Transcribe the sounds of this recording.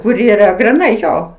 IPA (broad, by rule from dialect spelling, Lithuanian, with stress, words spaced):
kʊr iːˈrɐ ɡrʲɪˈnɐɪ ˈjoː